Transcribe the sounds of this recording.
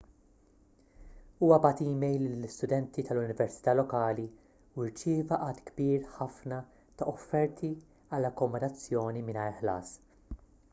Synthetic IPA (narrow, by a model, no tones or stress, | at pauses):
uːwɐbɐːt̪iːmɛjlːɪlːɪst̪ʊd̪ɛnt̪it̪ɐlʊnɪvɛɾsɪ̥t̪ɐːlɔkɐːli | wɪɾt͡ʃɪːvɐʔɐːt̪ɡbiːɾħɐfnɐ | t̪ɐʔɔfːɛɾt̪ʰi | ɐlːɐkːɔmɔd̪ɐt͡sːjɔːnimɪnɐjɾħlɐ̰ːs